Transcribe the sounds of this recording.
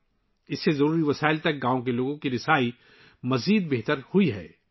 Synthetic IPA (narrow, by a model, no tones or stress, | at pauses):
ɪsːezɐɾuːɾiʋɐsaːɪlt̪ɐk̚ɡãːõkeloːɡõkiɾɪsaːi | mɐziːd̪̚beɦt̪əɾhuiɦɛ̰ː